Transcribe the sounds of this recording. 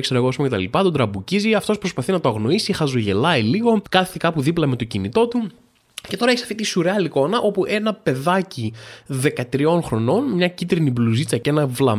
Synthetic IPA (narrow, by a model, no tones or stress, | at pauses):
kseɾɐeɣospumcet̪ɐ̰lipɐt̪od̪ɾɐbuciziɐft̪o̞spɾo̞spɐθinɐt̪oɐɣno̞isixɐzoʝe̞lɐiliɣo̞kɐθikɐpuðiplɐme̞t̪o̞cinit̪o̞t̪u | ce̞t̪o̞ɾɐeçsɐft̪it̪isuɾeɐliko̞nɐʔo̞puʔe̞nɐpe̞ðɐciðe̞kɐt̪ɾio̞nxɾo̞no̞nmɲɐcit̪ɾinibluzit͡sɐcee̞nɐvlɐ̰